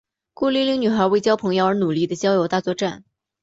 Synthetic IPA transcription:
ku˥˧li˥˧li˧˥ŋny˨˩xə˞˧˥we˥˩ɪt͡ɕjɑ˥ʊpʰɤ˧˥ŋjo˧ʊə˞˧˥nu˨˩li˥˩d̪ə˩t͡ɕjɑ˥ʊjo˧˥ʊt̪a˥˧t͡swɔ˥˧ʈ͡ʂa˥˩n

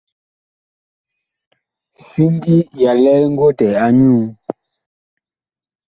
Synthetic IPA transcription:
si˦n˦di˦ja˨lɛ˦lŋ̩˦ɡwo˦tɛ˨a˨ɲuː˦

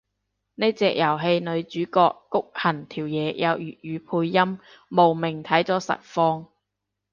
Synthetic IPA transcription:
ne˥t͡sɛː˧k̚jɐ˨˩wɦe˧jnɵ˨˧ɥt͡ʃyː˨˥kɔː˧kːʊ˥k̚hɐ˨˩nt̪ʰiː˨˩wjɛː˨˧jɐ˨˧wjyː˨˩t̚jyː˨˧pʰuː˧jːɐ˥mː | o˨˩wmɪ˨˩ŋt̪ʰɐ˨˥jt͡sɔː˨˥sɐ̰˨t̚fɔː˧ŋ

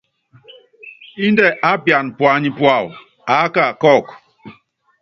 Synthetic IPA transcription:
i˦n˦de˦ʔa˦bja˨n̩˨pʊ˨a˨ɲɪ˦pʊ˦a˨wʊ̰˨ | a˨˦ka˦˨kɔ˦˨k

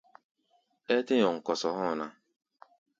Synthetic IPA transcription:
e˦tɪ˦ɲɔ˨ŋ̩˨kɔ˨sɔ˨ɦɔ˦˨na˦

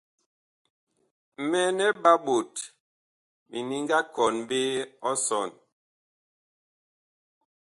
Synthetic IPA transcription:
mɛ˦nɛ˦ba˦ɓo˨t | mi˨ni˦ŋɡa˦kɔ˨nbe˦ɔ˦sɔ˨n

